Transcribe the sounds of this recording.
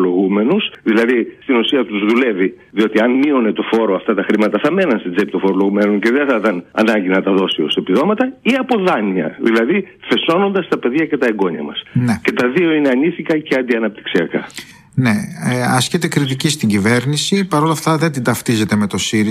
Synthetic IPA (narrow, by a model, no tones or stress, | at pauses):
lo̞ɣume̞nusðilɐðist̪inusiɐt̪uzðule̞vi | ðio̞t̪iɐnmio̞ne̞t̪o̞fo̞ɾo̞ɐft̪ɐt̪ɐxɾimɐt̪ɐθɐme̞nɐnst̪id͡zep̚it̪ofoɾolo̞ɣume̞noɲce̞ðenθɐt̪ɐnɐ̰nɐɲɟinɐt̪ɐðo̞sio̞̰sepiðo̞mɐt̪ɐiɐpo̞ðɐniɐ̰ðḭlɐði | θe̞so̞no̞nd̪ɐst̪ɐpe̞ðʝɐce̞t̪ɐeɡo̞ɲɐ̰mɐ̰snece̞t̪ɐðio̞ineɐnisikɐce̞ɐnd̪iɐnɐp̚t̪i̥ksiɐkɐ̰ | ne̞eɐscet̪e̞kɾit̪̬icist̪iɲɟive̞ɾnisipɐɾo̞lɐft̪ɐðe̞nd̪ind̪ɐft̪ize̞t̪eme̞t̪o̞siɾi